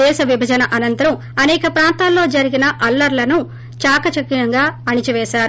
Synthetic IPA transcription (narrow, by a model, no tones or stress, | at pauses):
ɛːʃɐʋibʱɐd͡ʒɐnɐʔɐnɐnt̪ɐɾɐm | ɐnɛːkɐpɾaːnt̪aːlːo̞ːd͡ʒɐɾiɡinɐʔɐlːɐɾlɐnu | t͡ʃaːkɐt͡ʃɐkːiɐŋɡaːɐɳit͡ʃiʋɛːʃaːɾu